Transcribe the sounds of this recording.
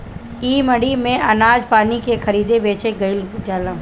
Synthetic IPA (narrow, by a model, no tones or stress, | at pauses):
iːməɽimẽɐnaːd͡ʒpaːnikexɐɾiːd̪ebeːt͡ʃeɡɐɪld͡ʒaːlã